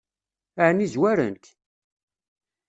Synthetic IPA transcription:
ʕnizwæɾə̰nt̪

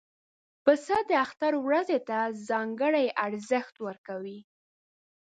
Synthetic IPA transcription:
pəsəd̪əaxt̪aɾwɾazet̪azɑŋɡəɽajaɾzəxt̪wəɾkawi

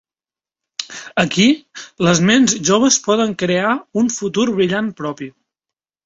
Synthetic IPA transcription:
əkiləzmɛnzʒoβ̞əspɔðəŋkɾeauɱfut̪uɾβɾiʎampɾɔpi

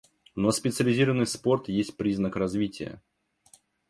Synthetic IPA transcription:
nospʲɪt̪sɨəlʲɪzʲiɾəvənːɨjspo̞rt̪jesʲt̚ʲpɾʲiznəkrɐzvʲitʲɪ̰jə̰

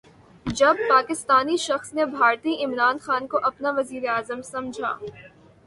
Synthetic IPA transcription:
d͡ʒɐb̚paːkɪst̪aːniʃɐxsnebʱaːɾt̪iɪmɾaːnxaːnkoʔɐpnaʋɐziːɾeaːzəmsɐ̃md͡ʒʱa̰ː

